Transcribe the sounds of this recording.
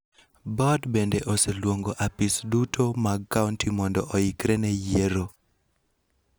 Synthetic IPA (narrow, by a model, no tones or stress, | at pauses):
bɔdbendeʔoselwoŋɡoʔapisdutʰomakːauntʰimɔndɔʔɔikɾenɛjeɾo